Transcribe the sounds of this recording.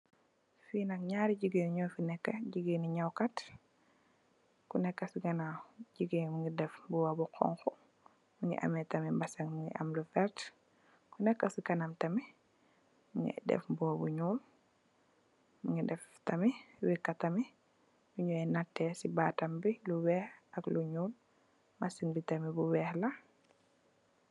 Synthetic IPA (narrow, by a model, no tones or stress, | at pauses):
finɐk̚ɲaːɾiɟuɡeniɲɔːfinɛkːɐɟiɡeniɲawkat | kunɛkːɐsiɡɐnaɟiɡemuŋɡidɛfbuwabuqʰɔ̰ŋxɔ | muŋḭʔɐ̰mɛtɐmimbɐsɐŋmuŋḭʔɐmlufɛt | kunɛkːɐsikɐnɐmtɐmi | muŋḭdɛ̰fbuwabuɲuːl | muŋidɛf | tɐmiwikːɐtɐmi | juɲuɛnatːɛsibaːtɐmbiluwɛːhʔɐkluɲuːl | masiŋbitɐmibuwɛːhlɐ